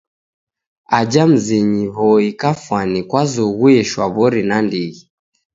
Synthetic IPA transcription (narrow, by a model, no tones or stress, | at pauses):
ad͡ʒam̩ziɲiβɔikafwanikwazɔɣuɛʃwaβɔɾinandiɣi